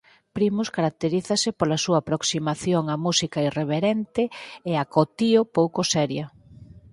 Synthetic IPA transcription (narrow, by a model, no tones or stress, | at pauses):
pɾimʊskaɾak̚t̪eɾiθɐsɪpolasuaːpɾoksimaθjoŋamusikaireβ̞eɾent̪ɪeakot̪iopowkʊsɛɾjɐ